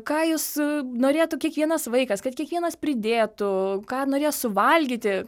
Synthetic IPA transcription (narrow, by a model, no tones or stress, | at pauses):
kɑːjʊsnoːɾʲeːt̪ʊkʲiɛkʋʲiɛnɐsʋɐɪkɐskɐt̪̚kʲiɛkʋʲiɛnɐspʲɾʲɪd̪ʲeːt̪ʊkɑːnoːɾʲeːjsʊʋɐlʲɡʲiːt̪ʲɪ